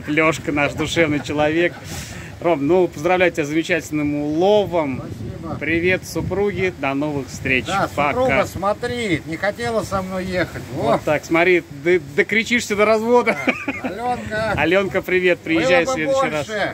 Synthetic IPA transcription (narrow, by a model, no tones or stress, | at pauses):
t̪lʲo̞ʂkənaʂd̪ʊʂɛvnɨjt͡ɕɪlˠɐvʲe̞k | ro̞mnupəzd̪ɾɐvlʲæjʊtʲɪbʲazəmʲɪt͡ɕætʲɪlʲnɨmʊlˠo̞vəmpɾʲɪvʲet̪sʊpɾuɡʲɪd̪ɐno̞vɨxfst̪ɾʲet͡ɕpɐasmɐt̪ɾʲinʲɪxɐtʲelˠəsʲsɐmnojjexətʲot̪ːaksmɐt̪ɾʲi | d̪ɨd̪əkɾʲɪt͡ɕiʂsʲəd̪əɾɐzvo̞d̪əlʲonkəɐlʲo̞nkəpɾʲɪvʲe̞t̪̚pɾʲɪjɪʒːæjɪsʲlʲe̞dʊɕːɪjɾas